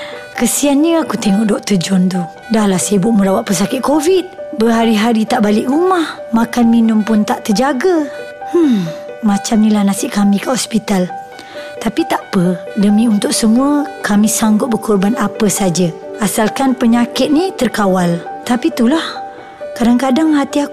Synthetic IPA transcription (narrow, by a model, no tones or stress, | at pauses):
kəsianɲəakut̪eŋɔʔdɔʔ̚t̪ərd͡ʒɔnt̪u | dahlahsajəbʊʔmuɾawaʔ̪̚pəs̬akɪt̪̚kovid̪̚bəɦaɾiɦaɾit̪aʔbalɪʔɾumahmakanminʊmpʊnt̪aʔt̪ərd͡ʒaɡə | h̩ | mat͡ʃamnilahnasɪʔkamĩkəʔhɔspit̪al | t̪apit̪aʔpədəmiunt̪ʊk̚səmũəkamisaŋɡʊt̪̚bəkɔrbanapəsad͡ʒəasalkanpəɲakɪt̪̚nit̪ərkawalt̪apit̪ulah | kadaŋkadaŋɦat̪ia